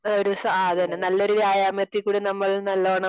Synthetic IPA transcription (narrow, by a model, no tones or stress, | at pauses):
oɾusɐaːɐðɐnːenɐlːo̞ɾuʋjaːjaːmert̪ːikːuːɽinɐmːɐɭnɐlːoːɳɐ